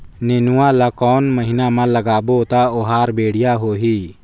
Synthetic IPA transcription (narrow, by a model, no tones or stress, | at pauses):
neːnʊwãlakɔːnməɦɪnamãləɡaːbot̪aʊɦaːɾbeːɽɪjaɦoːɦiː